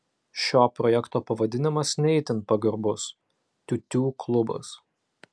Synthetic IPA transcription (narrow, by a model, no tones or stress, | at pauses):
ʃʲoːpɾɔjɛkt̪oːpɐʋɐd̪ʲɪnʲɪmɐsnʲɛɪt̪ʲɪnpɐɡɐɾbʊs | t̪ʲʊt̪ʲuːklˠʊbɐ̰s